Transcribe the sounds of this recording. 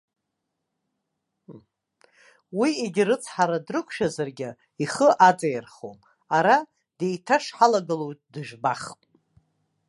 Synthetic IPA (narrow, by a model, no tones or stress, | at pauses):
wieɡʲɪrɨt͡sʰħaɾadrɨkʷʰʃᶣazarɡʲɪ | iχəʔat͡sʼejrχo̰m | aɾa | d̥ejtʰaʂħalaɡɨlojtʼdɨʒᶣbaχpʼ